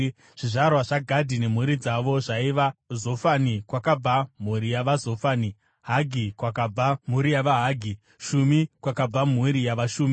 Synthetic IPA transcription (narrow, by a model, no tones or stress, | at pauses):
ʐ̥iʐarwaʐaɡʱadʱine̞m̤uɾid͡zaʋo̞ʐaiʋazo̞fanikwakab͡vam̤uɾijaʋazo̞faːni | ɦaɡʱikwakab͡vam̤uɾijaʋaɦaːɡʱi | ʃumikwakab͡vam̤uɾijaʋaʃuːmi